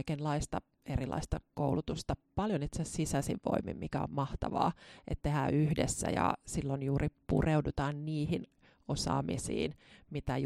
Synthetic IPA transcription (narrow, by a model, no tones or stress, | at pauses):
ikenlɑist̪ɑ | erilɑ̰ist̪ɑkoulut̪ust̪ɑpɑljonit̪sesisæsiʋʋo̰imːḭmmikæommɑht̪ɑʋɑ̰ːʔet̪t̪ehæ̰ːyhdḛsːæ̰jɑ̰silːonjuːripṵreudut̪ɑːnniːhin | osɑ̰ːmḭsḭːnmit̪æj